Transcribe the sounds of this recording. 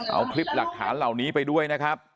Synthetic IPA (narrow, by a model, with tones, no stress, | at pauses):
ʔa̰˧wkʰli˦˥p̚la˨˩k̚tʰːaː˩˦nla˨˩wniː˦˥pa˧jdu˥˩əjna˦˥kʰɾa˦˥p̚